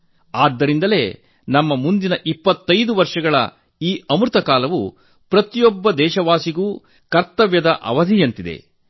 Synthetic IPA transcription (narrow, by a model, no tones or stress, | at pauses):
aːd̪ːɐɾind̪ɐle̞̰ː | nɐmːɐmund̪inɐʔipːɐt̪ːɐjd̪uʋɐɾʂɐɡɐɭɐ̰ | iːɐmɾut̪ɐkaːlɐʋu | pɾɐt̪ijɔbːɐd̪ɛːʃɐʋaːsiɡuː | kɐɾt̪ɐʋjɐd̪ɐʔɐ̰ʋɐd̪ʱijɐnt̪id̪e̞̰